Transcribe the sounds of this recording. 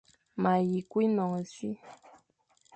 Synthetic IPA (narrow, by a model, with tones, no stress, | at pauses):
ma˨ji˨kwi˦nɔ˨ŋ˨si˦